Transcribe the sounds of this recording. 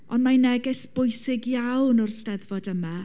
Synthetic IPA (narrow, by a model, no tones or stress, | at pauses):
ʔɔnmanɛɡɛsb̥ʊjsɪɡjawnɔrstɛðvɔdəma